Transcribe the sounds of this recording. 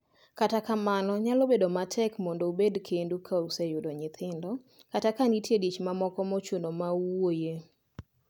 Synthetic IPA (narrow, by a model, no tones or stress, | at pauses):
katakamanɔɲalobedomatʰɛkmɔndoubedkʰendukʰausɛjʊdɔɲɪt̪ʰɪndɔ | katakanitjedit͡ʃmamɔkɔmot͡ʃonomawoje